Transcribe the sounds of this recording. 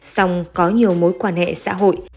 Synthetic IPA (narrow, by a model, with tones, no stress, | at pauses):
sa˧wŋ͡mkɔ˨˦ɲi˨˩əwmo̰˨˦jkwaː˧˩nhḛ˧˨sa̰ː˧˥ɦo̰˧˨j